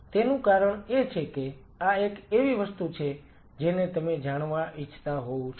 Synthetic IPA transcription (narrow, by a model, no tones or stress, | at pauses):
t̪enũkaɾəɳet͡ʃʰeke | aekeʋiʋəst̪ut͡ʃʰe | d͡ʒenet̪əmed͡ʒaɽ̃ʋaʔit͡ʃʰːt̪aɦoũt͡ʃʰ